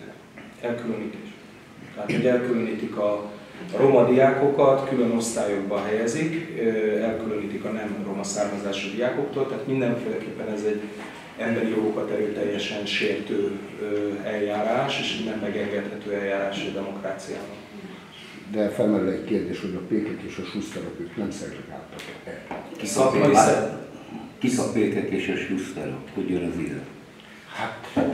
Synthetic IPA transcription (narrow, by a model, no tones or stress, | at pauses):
ɛlkylønit̪ | t̪ɛɦaːt̪ho̞ɟɛlkyløniːt̪ikɒro̞mɒd̪ijaːko̞kɒt̪kylø̞no̞st̪aːjoɡ̚bɒɦɛjɛzikɛlkyløniːt̪ikɒnɛmro̞mɒsaːrmɒzaːʃid̪ijaːko̞kt̪oːlt̪ɛɦaːt̪mind̪ɛɱfeːlɛkeːpːɛnɛzɛɟː | ɛmbɛɾijo̞ɡo̞kɒt̪ɛɾøːt̪ɛjːɛʃɛnʃeːrt̪øːøɛlːaːɾaːʃeːʃinɛmːmɛɡɛŋɡɛt̪hɛt̪øːɛljːaːɾaːʃɛd̪ɛmo̞kraːt̪sija̰ːbɒn | d̪ɛfɛlmɛɾylɛɟkeːrd̪eːʃho̞ɟɒpeːkɛk̪eːʃɒʃustɛɾokøːknɛmsɛlɛɡa̰ːlt̪ːɒkɛkisɒkmɒi | kisɒkpeːkɛkeːʃɛʃustɛ̰ɾo̰khoɟønɒzḭlø | hat̪